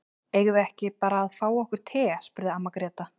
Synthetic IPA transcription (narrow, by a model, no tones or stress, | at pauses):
ejɣʏɛhcɪpaːɾaːðfaːwɔhkʏɾ̥t̪ʰɛːspʏɾðɪamːakɾɛːt̪a